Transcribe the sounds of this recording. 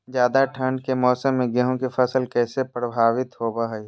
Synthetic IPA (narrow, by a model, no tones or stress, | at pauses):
d͡ʒjaːd̪aʈʰəɳɖkemɔːsəmːẽɡɛɦõkefɐsəlkɛːsepɾəbʱaːʋɪt̪ɦoːbaɦɛi